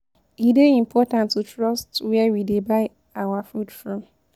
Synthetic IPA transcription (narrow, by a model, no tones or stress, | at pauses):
ideim̩pʰɔtãntʰutʰɹɔstwɛwidebaɪ | awafudfɹɔ̃m